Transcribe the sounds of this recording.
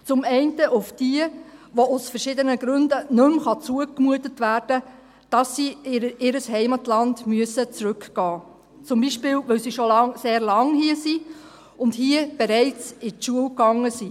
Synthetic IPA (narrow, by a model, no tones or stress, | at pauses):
t͡sʊmɛɪntəʔʊfd̥iəʋoʊsfərʃɪdənəɡɾʉndənɵmχɑt͡suəkmuətətʋæːɾd̥ə | d̥ɑsːiʔɪɾəsɦɛɪmɑtlɑndmyəsət͡sɾʉkɡ̥ɑː | t͡sʊmbiʃpɪːwʋɵwsiʃolɑŋseːɾlɑŋhiəsi | ʊndhiəb̥eɾɛɪt͡sɪtʃuəwkɑŋːəsi